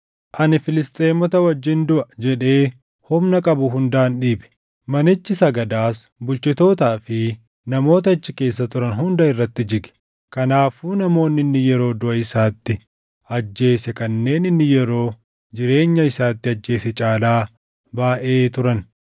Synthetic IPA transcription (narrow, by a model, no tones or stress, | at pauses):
ʔɐnɪfɪlɪst̪ʼe̞ːmɔt̪ɐwɐd͡ʒːɪnd̪ʊʔɐd͡ʒɛᶑe̞ː | hʊmnɐkʼɐbʊɦʊnd̪aːnɗiːbɛ̥ | mɐnɪt͡ʃːɪsɐɡɐd̪aːsbʊlt͡ʃɪt̪o̞ːt̪aːfɪ | nɐmo̞ːt̪̬ɐɪt͡ʃːɪke̞ːs̬ːɐt̪ʊɾɐnɦʊnd̪ɐɪrːɐt̪ːɪd͡ʒɪɡɛ̥ | kɐnaːfuːnɐmo̞ːnːɪnːɪjɛɾo̞ːd̪ʊʔɐɪsaːt̪ːɪ | ɐd͡ʒːe̞ːsɛkɐnːe̞ːnɪnːɪjɛɾo̞ː | d͡ʒɪɾe̞ːɲːɐɪsaːt̪ːɪɐd͡ʒːe̞ːsɛt͡ʃʼaːlaː | baːʔe̞ːt̪ʊɾɐn